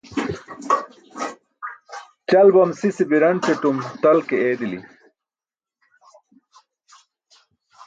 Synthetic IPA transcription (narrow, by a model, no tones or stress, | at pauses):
t͡ɕɐlbɐmsisibiɾɐɳt͡ɕeʈumt̪ɐlkeeːd̪ilḭ